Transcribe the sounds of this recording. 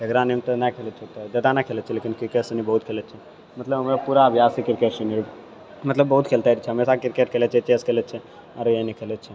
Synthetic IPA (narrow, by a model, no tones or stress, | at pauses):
d͡ʒɐɡɾanemt̪ɐnakʰeːlət͡ʃʰet̪ɐd͡ʒɐd̪anakʰeːlət̪t͡ʃʰeleːkɪnkɪɾkeːsənibəɦut̪̚kʰeːlət͡ʃʰe | mɐt̪ləbmepuːɾaʋjaːsikɪɾkeːʈsenːɾi | mɐt̪ləbːəɦut̪kʰeːlt̪aiɾit͡ʃʰeɦɐmeːsakɪɾkeːʈ̚kʰeːlet͡ʃʰet͡ʃeːskʰeːlət̪t͡ʃʰe | ɐɾjenikʰeːlet͡ʃʰe